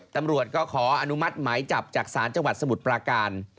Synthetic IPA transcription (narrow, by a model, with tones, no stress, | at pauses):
t̪a˧mɾu˨˩ət̪̚kɔː˥˩kʰɔː˩˦ʔa˧nu˦˥ma˦˥˩t̪̚maː˩˦jt͡ɕa˨˩p̚t͡ɕaː˨˩k̚saː˩˦nt͡ɕa˧ŋwa˨˩t̪̚sa˧mu˨˩t̪̚pɾaː˧kaː˧n